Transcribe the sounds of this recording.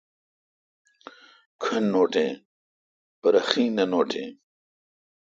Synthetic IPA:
kʰɐnːoːʈḛ̃ː | pɐɾɐxĩːnɐnoːʈḛ̃ː

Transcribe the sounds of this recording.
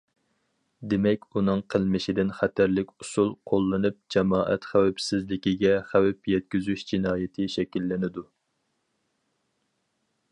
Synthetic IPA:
d̪emɛkʲunɨŋqʰəlˠmɪʃɪd̪ɪnχæt̪ʰæɾlɪkʲusulˠqʰolˠːɨnɨp̚d͡ʒɑmɑːʔɛ̰t̪χæwɛpsɪzlɪkʲiɡʲɛχæwɛpjɛt̪̚kʲyzyʃd͡ʒinɑːjɪt̪ʰɪʃɛkʲilːɪnɪd̪u

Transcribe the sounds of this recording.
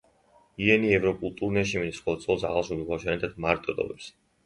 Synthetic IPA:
iɛniɛvɾɔkʼulˠt̪ʼuɾnɛʃ̬iminisχɔlˠɔsʼɔlˠsa̰ʁalˠʃubikʰaʃanɛt̪ʰat̪̚maɾt̪ʼɔd̪ɔ̰vɛps

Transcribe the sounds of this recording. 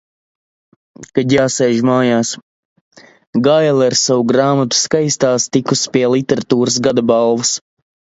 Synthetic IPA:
kad̪ʲjaːsɛjʒmaːjaːs | ɡajlˠaɾsawuɡɾaːmat̪u̥skajst̪aːst̪ikuspʲiɛlˠit̪ɛɾat̪uːɾas̬ɡad̪abalˠvɐs

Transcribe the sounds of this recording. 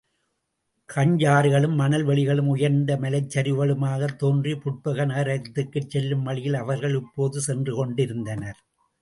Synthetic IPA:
kʰɐɲd͡ʒaːɾɯɣɐɭɯmːɐnɐlʋɛɭɪɣɐɭɯmʊjɐɾnd̪ɐmɐlɐɪt͡ʃːɐɾɯʋɐɭɯmaːɣɐt̪ːoːndripʊʈ̚pɐɣɐneːɾɐt̪ːɯkːɯt͡ʃːɛlːɯmʋɐɭɪjɪlɐʋɐɾɣɐɭɪpːoːðɯsɛndrɯkɔɳɖɪɾɯnd̪ɐnɐɾ

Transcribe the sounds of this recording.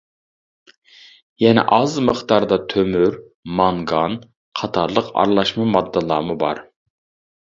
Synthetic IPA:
jɛnɛ̰ʔɑzməχt̪ɑɾd̪ɑt̪ʰømyɾ | mɑŋɡɑn | qʰɑt̪ʰɑɾlˠəqɑ̰ɾlˠɑʃmɨmɑd̪ːəlˠɑ̰ːmubɑ̰ɾ

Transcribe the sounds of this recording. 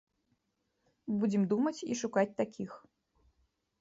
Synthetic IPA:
bud͡zʲɛmd̪umɐt͡sʲḭʂukat͡sʲt̪akʲʰix

